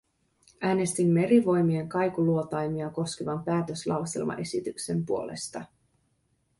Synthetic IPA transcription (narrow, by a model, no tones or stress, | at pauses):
ʔæːne̞st̪imːe̞ɾiʋo̞jmie̞ŋkɑjkuluo̞t̪ɑjmiɑko̞skeʋɑmpæːt̪ø̞slɑwse̞̰lmɑ̰ʔe̞sit̪ykse̞mpuo̞le̞̰st̪ɑ